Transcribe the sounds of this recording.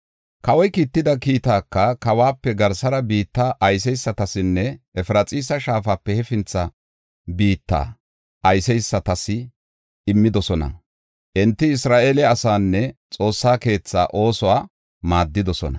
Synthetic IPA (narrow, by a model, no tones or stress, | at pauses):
kɐwɔjkiːt̪ːɪd̪ɐkiːt̪aːkːɐkɐwaːpːɛɡɐɾsɐɾɐbiːt̪ːaːʔɐjs̬ɛjsːɐt̪ɐsɪnːɛɛfɪɾɐt͡sʼiːsɐʃaːfaːpːɛhɛfɪnt͡sːɐ | biːt̪ːa̰ː | ʔɐjsɛjsːɐt̪ɐsɪ | ɪmːɪd̪ɔsɔnɐ̰ | ʔɛnt̪ːɪɪsɾaːʔeːlɛɐsaːnːɛt͡sʼo̞ːsːaːke̞ːt͡sːa̰ːʔo̞ːsɔwaː | maːd̪ːɪd̪ɔsɔ̰nɐ̰